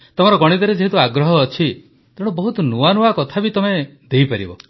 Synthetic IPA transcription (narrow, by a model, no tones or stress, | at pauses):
t̪ɔmɔɾɔɡɔɽ̃id̪ɔɾed͡ʒeɦit̪uaɡɾɔɦɔːt͡ʃʰi | t̪eɽ̃ubɔɦut̪ɔnuanuakɔt̪ʰabit̪ɔmed̪ejpaɾḭbɔ̰